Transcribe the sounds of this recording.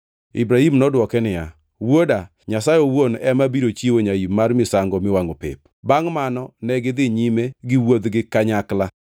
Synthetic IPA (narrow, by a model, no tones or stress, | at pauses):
ḭbɾahimnɔdwɔkɛnɪja | woda | ɲasajowonɛmabiɾot͡ʃiwoɲaimarmɪsaŋɡɔmɪwaŋopɪ̰p | baŋmanɔnɛɡɪd̪ɪɲimeɡɪwod̪ɡɪkaɲakla